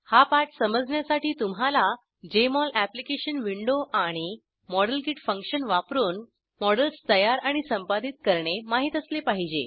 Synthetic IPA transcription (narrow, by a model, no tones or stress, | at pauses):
hapaʈsəməd͡zɳjasaʈiːt̪umɦala | d͡ʑemɔlæplikeɕənʋiɳɖoʔaɽ̃i | mɔɽəlkiʈfəŋkɕənʋapɾuːn | mɔɽəlst̪əjaɾaɽ̃isəmpad̪it̪̚kəɾɳemaɦiːt̪əslepaɦid͡ʑḛ